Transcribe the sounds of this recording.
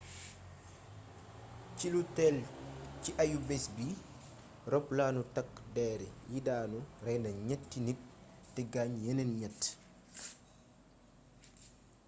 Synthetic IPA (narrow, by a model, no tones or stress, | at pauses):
cilutɛlciʔɐjubɛsbi | rɔplaːnutɐkdɛːɾijidaːnuɾɛjnɐɲɛtːinik̚tɛɡaɲjɛnɛnɲɛt